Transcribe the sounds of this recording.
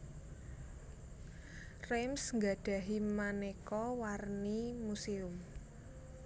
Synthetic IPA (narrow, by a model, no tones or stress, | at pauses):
remsŋɡaɖ̥ä̤ɦimanekɔwarnimusiʊm